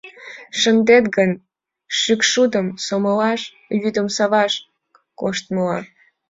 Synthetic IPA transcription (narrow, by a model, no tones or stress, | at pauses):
ʃənd̪et̪ɡən | ʃykʃud̪əmsoməlɑʃ | jyd̪əmsɑβɑʃ | koʃt̪məlɑ